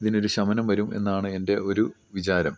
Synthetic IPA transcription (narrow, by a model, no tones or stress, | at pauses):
iðino̞ɾuɕɐmɐnɐmʋɐɾume̞̰nːaːɳɨe̞nde̞o̞ɾu | ʋit͡ɕaːɾɐm